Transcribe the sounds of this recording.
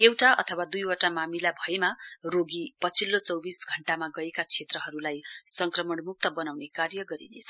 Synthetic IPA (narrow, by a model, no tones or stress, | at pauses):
ewʈaʔʌ̰t̪ʰʌwad̪ujwʌʈamamilabʱʌemaroɡipʌt͡sʰilːot͡sʌwbisɡʱʌɳʈamaɡʌekat͡sʰet̪rʌɦʌɾulajsʌŋkrʌmʌɳmuk̚t̪ʌbʌnawnekarjʌɡʌɾḭnet͡sʰʌ